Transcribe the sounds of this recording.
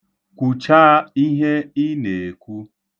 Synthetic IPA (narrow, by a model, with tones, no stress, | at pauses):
kʷu˨t͡ʃaː˦i˦ɦe˦i˦ne˨e˨kʷu˦